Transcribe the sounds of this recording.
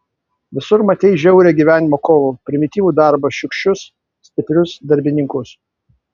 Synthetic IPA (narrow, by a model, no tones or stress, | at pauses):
ʋʲɪsʊɾmɐt̪ʲɛɪʒʲɛʊɾʲɛːɡʲiːʋʲæːnʲɪmoːkoːʋoːpʲɾʲɪmʲɪt̪ʲiːʋuːd̪ɑˑɾbɐʃʲʊkʃʲt͡ʃʲʊs | sʲt̪ʲɪpʲɾʲʊsd̪ɐɾʲbʲɪnʲɪŋkʊs